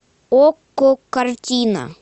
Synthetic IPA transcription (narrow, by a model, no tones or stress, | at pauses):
okːokɐɾt͡ʃina̰